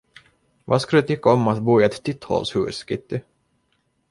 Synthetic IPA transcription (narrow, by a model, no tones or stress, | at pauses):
vaskald̪ɛt̪ʏkːaɔmat̪buːɪɛt̪ːʏt̪ːhɔ̰lshʉ̰ːskɪt̪ːɪ